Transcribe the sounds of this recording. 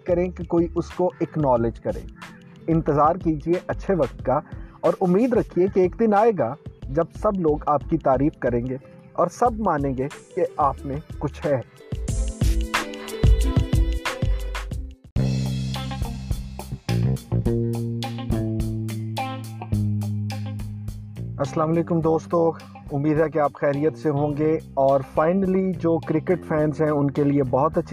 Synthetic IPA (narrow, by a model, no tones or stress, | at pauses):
kɐɾẽkekoːiʔʊskoeːknɔːled͡ʒkɐɾḛ̃ː | ɪ̃nt̪əzaːɾkiːd͡ʒieʔɐtːʃʰeʋɐkt̪̚kaɔːɾʊmːiːd̪ɾɐkʰiekieːkd̪ɪnaːeːɡad͡ʒɐb̚sɐbloːɡaːp̚kit̪aːɾiːfkɐɾẽːŋɡe | ɔːɾsɐbmaːnẽːɡekeaːpmẽkʊt͡ʃʰɦɛ | ɐsəlaːmɐleːkʊmd̪oːst̪oːk | ʊmːiːd̪ʱɦɛkeaːpxɛːɾijət̪seɦõːɡeɔːɾfaːɪnəlid͡ʒoːkɾɪkeʈfɛːnzɦɛ̃ʊnkeliebɔɦʊt̪ɐtːʃʰ